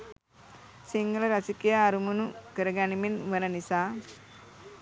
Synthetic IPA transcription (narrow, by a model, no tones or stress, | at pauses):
siŋɡɐlɐɾɐsikijaːɾumunukɐɾɐɡaniminʋɐnɐnisaː